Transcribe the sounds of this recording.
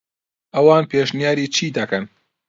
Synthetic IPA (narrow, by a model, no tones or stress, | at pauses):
ʔɐwɑːnpʰeːʃnijaːɾiːt͡ʃʰiːd̪ɐkɐn